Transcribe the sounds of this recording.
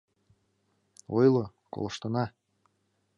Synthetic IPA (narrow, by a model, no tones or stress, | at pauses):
ojlˠo | ko̰lˠɤ̆ʃt̪ɤ̆nɑ